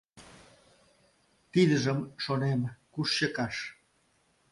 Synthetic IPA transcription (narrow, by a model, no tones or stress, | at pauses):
t̪iðəʒəmʃonemkuʃɕəkɑʃ